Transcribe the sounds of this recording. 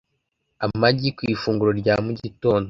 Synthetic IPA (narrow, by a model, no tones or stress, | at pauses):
amaɟikwifuːŋɡuɾo̞ɾɟamuɟito̞ːndo